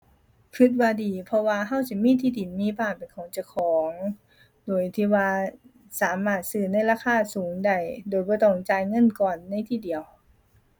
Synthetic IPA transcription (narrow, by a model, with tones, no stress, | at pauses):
kʰɯ˧t̪̚waː˧diː˨˩pʰɔ˧waː˧ɦa˧˥˨wt͡ɕa˧˩miː˧˥˨t̪ʰiː˧˥˨di˨˩nmiː˧˥˨paː˧˩pe˨˩nkʰɔː˨˦ŋt͡ɕa˧˩kʰɔː˨˦ŋ | doː˨˩jt̪ʰiː˧˩waː˧ | saː˨˦maː˧˩t̪̚sɯː˧˩na˧˥˩jlaː˧˩kʰaː˧˩˨suː˨˦ŋda˧˩jdoː˨˩jbɔː˧˦t̪ɔ˧˩ŋt͡ɕaː˧jŋɤ˧˥˨nkɔː˨˩nːa˧˥˩jt̪ʰiː˧˩di˨˩əw